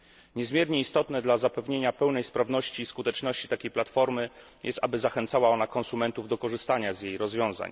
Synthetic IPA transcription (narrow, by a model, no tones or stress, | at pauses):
ɲɛzmʲjɛɾɲɛist̪ɔt̪nɛd̪lazapɛvɲeɲapɛwnɛjspɾavnɔɕt͡ɕiːskut̪ɛt͡ʂnɔɕt͡ɕi̥t̪akʲejplat̪fɔɾmɘ | jʔɛst̪a̰bɘzaxɛnt̪sawaɔnakɔ̃nsumɛnt̪uvd̪ɔkɔʐɘst̪aɲazjejɾɔzvʲjɔ̃w̃za̰ɲ